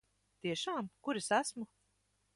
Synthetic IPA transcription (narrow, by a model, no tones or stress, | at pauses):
t̪iɛʃaːmkuɾisæsmu